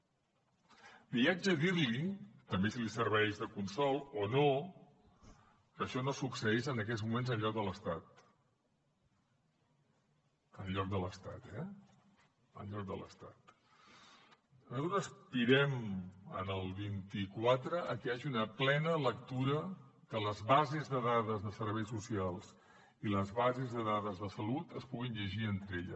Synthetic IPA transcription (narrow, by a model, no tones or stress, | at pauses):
biad͡ʒəðirlit̪əmbesilisəɾβ̞ɛʒðəkunsɔlˠono | kəʃɔnosuksəezənəkɛzmumenzənʎɔk̚d̪ələst̪at̪ | ənʎɔk̚d̪ələst̪a̰t̪ɛ | ə̰nʎɔk̚d̪ə̰lə̰st̪at̪̚ | əuəspiɾɛmə̰nəlˠβint̪ikwat̪ɾəːkəaʒiunəplɛnələk̚t̪uɾə | kələzβazezðəðaðəzðəsəɾβɛjsusialˠz̥ | iləzβazezðəðaðəzðəsəlut̪əspuɣinʎəʒiənt̪ɾeʎə̰